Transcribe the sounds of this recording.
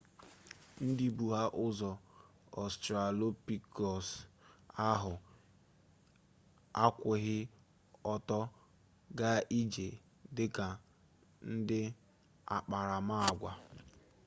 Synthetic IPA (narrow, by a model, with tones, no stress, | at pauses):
n̩˦di˦bu˨ɦa˦ʔʊ˦zɔ˨ | ɔ˨stɾa˨lo˦pi˨kɔ˨s | a˦ɦʊ˨ | a˦kʷɪ˨ɦɪ˦ | ɔ˦tɔ˦ | ɡa˦i˦d͡ʒe˨ | dɪ˦ka˨ | n̩˦dɪ˦ | a̰˨k͡pa˨ɾa˨ma˦a˨ɡʷa˨